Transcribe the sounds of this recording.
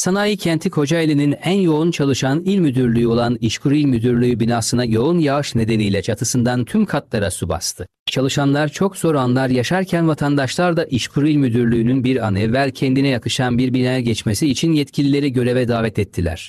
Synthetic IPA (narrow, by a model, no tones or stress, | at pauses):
sanajɯcʰɛnt̪ʰikʰo̞d͡ʒaelʲininænjo̞unt͡ʃʰalˠɯʃanilʲmyd̪yɾlʲyjo̞lˠaniʃkʰuɾilʲmyd̪yɾlʲyjybinaːsɯnajo̞unjaɯʃne̞d̪e̞nijlʲɛt͡ʃʰat̪ʰɯsɯnd̪ant̪ʰymkʰat̪lˠaɾasuba̰st̪ʰɯ | t͡ʃʰalˠɯʃanlˠaɾt͡ʃʰo̞kz̥o̞ɾanlˠaɾjaʃaɾcʰænvat̪ʰand̪aʃlˠaɾd̪aʔiʃkʰuɾilʲmyd̪yɾlʲyːnynbiɾa̰nɯvælʲcʰɛnd̪inɛjakɯʃanbiɾbinajɛɟɛt͡ʃmesiːt͡ʃʰinjɛt̪cʰilʲilʲe̞ɾiɟø̞ɾe̞vɛd̪aːvɛt̪ʰɛt̪ʰːilʲæ̰ɾ̥